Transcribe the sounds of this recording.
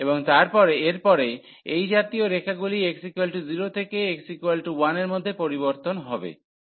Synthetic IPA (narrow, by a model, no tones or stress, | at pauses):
eboŋt̪aɾpɔɾeeɾpɔɾe | ejd͡ʑat̪ioɾekʰaɡulieksikelʈziɾot̪ʰekeeksikoelʈuwaneɾmod̪ʱːepoɾiboɾt̪onɦɔbḛ